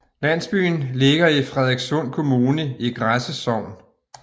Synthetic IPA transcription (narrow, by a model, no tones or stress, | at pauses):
læn̰sb̥y̰ːnle̝ɡ̥ɐifʁɛð̞ˠeɡ̥sɔn̰kʰo̝muːnəiɡ̥ʁasəsɒʊ̰n